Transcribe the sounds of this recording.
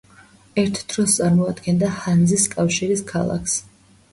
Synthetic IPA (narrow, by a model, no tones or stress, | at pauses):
ɛɾt̪ʰd̪̥ɾɔst̪sʼaɾmɔad̪ɡɛnd̪ahand̪ziskʼafʃiɾiskʰalˠa̰kʰs